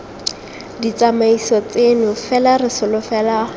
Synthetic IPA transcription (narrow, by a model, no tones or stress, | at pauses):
dit͡samaisɔt͡senʊfɛlarɪsʊlʊfɛla